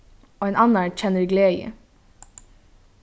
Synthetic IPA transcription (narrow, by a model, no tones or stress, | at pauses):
oːeːnʔɑnæːɳc͡çɛnəɾɡleːjə̰